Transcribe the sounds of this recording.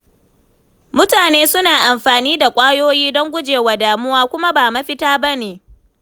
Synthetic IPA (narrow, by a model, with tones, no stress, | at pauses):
mʊ˦taː˨neː˦sʊ˦naː˨ʔa˨mɸaː˨niː˦da˨kʷʼaː˦joː˦jiː˦dɔ˦ŋɡʷʊ˦d͡ʒeː˨wa˨daː˨mʊ˦waː˦kʷʊ˦ma˦baː˨ma˦ɸɪ˦taː˦ba˦neː˨